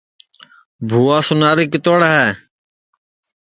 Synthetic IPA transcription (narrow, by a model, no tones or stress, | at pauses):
bʱuːaːsʊnaːɾiːkɪt̪oːɽɦɛː